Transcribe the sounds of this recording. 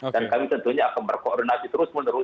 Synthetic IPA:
dankamit̪ənt̪uhɲaːkanbərkɔʔɾonasit̪əɾʊsmənəɾu

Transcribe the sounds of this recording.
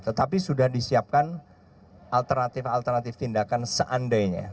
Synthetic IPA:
t̪ət̪apisudahdisiap̚kan | ʔalt̪ərnat̪ɪfalt̪ərnat̪ɪft̪indakansəʔandajɲa̰

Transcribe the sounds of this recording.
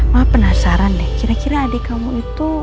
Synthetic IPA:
maapənasaɾanːɛhkiɾakiɾaːdekamuit̪u

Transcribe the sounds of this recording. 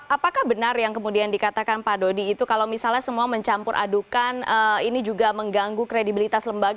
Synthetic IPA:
ʔapakahbənarjaŋkəmudiandikat̪akanpadodiːt̪ukalawmisalɲasəmuaməɲt͡ʃampʊɾʔa̰dukanəinid͡ʒuɡaməŋɡaŋɡukɾedibilit̪asləmbaɡ

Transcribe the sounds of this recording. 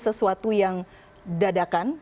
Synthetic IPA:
səsuat̪ujaŋ | dadakan

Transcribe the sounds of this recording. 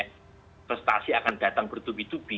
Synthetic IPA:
pɾɛst̪a̰siakand̥at̪aŋbərt̪ubit̪ub̥i

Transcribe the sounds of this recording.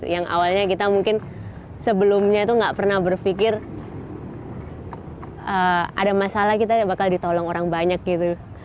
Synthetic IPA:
jaŋʔa̰walɲakit̪amuŋkɪn | səbəlʊmɲait̪uŋɡaʔpərnahbərfikɪr | əa̰damasalahkit̪abakaldit̪olɔŋoɾaŋbaɲak̚ɡit̪u

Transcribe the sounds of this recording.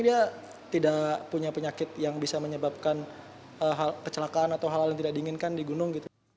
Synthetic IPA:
dia | t̪idaʔpuɲapəɲakɪt̪̚jaŋbisaməɲəbap̚kan | ʔəɦalkət͡ʃəlakaːnat̪awɦalaljaŋt̪idak̚diːŋɪnkandiɡunʊŋɡit̪u

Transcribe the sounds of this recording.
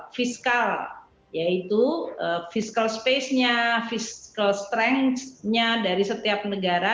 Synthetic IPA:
fiskal | jait̪uəfiskalspesɲafiskalst̪ɾɛŋsɲadaɾisət̪iap̚nəɡaɾa

